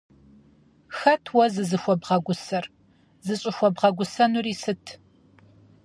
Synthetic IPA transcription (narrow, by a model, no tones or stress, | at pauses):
xɐtʰwɔzɨzɨxʷɔbʁɐɡʷʊsɐr | zɨɕʼɪxʷɔbʁɐɡʷʊsɐnuriːsɨtʰ